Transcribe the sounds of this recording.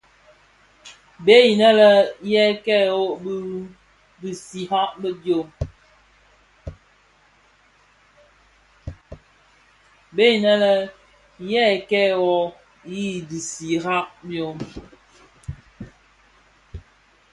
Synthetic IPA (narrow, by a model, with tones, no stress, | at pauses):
be˦i˨nə˦lə˦jɛ˦˨kɛ˦˨ɔ˦bə˦ɾ | bi˨si˨ha˦ʔbə˦djo˦˨m | be˦i˨nə˦lə˦ | jɛ˦˨kɛ˦wɔ˦ | ji˦˨di˨si˨ha˦ʔbjo˨m